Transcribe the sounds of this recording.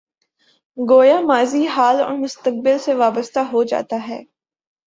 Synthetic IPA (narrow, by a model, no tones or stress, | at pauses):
ɡoːjamaːziɦaːlɔ̰ːɾmʊst̪ək̚bɪlseʋaːbəst̪aɦod͡ʒa̰ːt̪aɦɛ̰ː